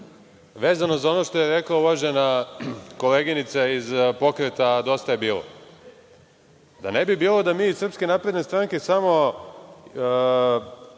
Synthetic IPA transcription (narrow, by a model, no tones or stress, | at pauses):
ʋe̞ːzano̞zao̞no̞ʃt̪o̞jeɾeklauʋaʒe̞nako̞leɡinit̪saizpo̞kɾet̪ad̪o̞st̪aje̞biːlo̰ | d̪anebibiːlo̞d̪amiːisr̩pskenaːpɾe̞d̪nest̪ɾaːŋke̞samo̞